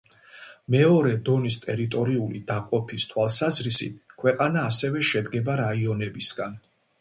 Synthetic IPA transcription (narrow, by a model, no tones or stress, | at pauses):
mɛɔɾɛd̪ɔnist̪ʼɛɾit̪ʼɔɾiulḭd̪aqʼɔpʰist̪ʰwalˠsazɾisḭt̪kʰwɛqʼanaːsɛvɛʃɛd̪ɡɛbaɾaiɔnɛbisɡan